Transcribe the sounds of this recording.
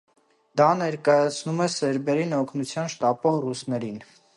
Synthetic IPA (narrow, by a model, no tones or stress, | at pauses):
d̪ɑnɛɾkɑjɑt͡sʰnumɛsɛɾbɛɾinɔkʰnut͡sʰjɑnʃt̪ɑpɔʁrusnɛɾin